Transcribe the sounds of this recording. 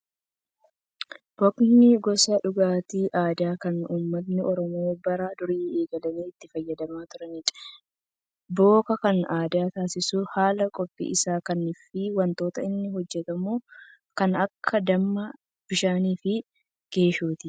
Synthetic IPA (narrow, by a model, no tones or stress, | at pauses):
b̥ɔknɪɡɔsɐᶑʊɡaːt̪iːʔaːd̪aːkɐnuːmːɐt̪̬nɪʔɔɾɔmoːbɐɾad̪ʊɾiːeːɡɐlɐniːɪt̪ːɪfɐjːɐd̪ɐmaːt̪ʊɾɐnɪᶑ̥ | bo̞ːkɐkɐnaːd̪aːt̪aːsɪsuhaːlɐkʼɔpʼːḭʔɪsaːkɐnːɪfɪwɐnt̪o̞ːt̪ɐɪnːɪɦɔd͡ʒːɛt̪ɐmuː | kɐnɐkʰːɐd̪ɐmːɐ | b̥ɪʃaːniːfɪ | ɡ̥e̞ːʃuːt̪ɪ